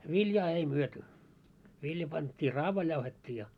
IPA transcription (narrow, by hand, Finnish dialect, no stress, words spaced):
ʋiljɑː ei myøty ʋiljɑ pɑntʲːiː rɑːʋɑil jɑuhetʲːiː jɑ